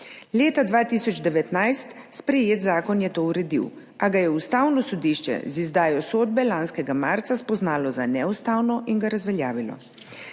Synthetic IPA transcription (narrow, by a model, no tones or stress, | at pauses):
leːt̪ad̪ʋaːt̪iːsɔd͡ʒd̪ɛʋɛt̪najst̪ | spɾɛjeːt̪zaːkɔnjɛt̪oːuɾɛd̪ḭw | aɡajɛust̪aːwnɔsɔd̪iːʃt͡ʃɛ̰zizd̪aːjɔsoːd̪̚bɛlaːnskɛɡamaɾt̪saspɔznaːlɔzanɛust̪aːwnɔʔiŋɡaɾazʋɛljaːʋilɔ̰